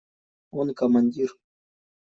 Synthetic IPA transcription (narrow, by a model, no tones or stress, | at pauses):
onkamanʲd̪iɾ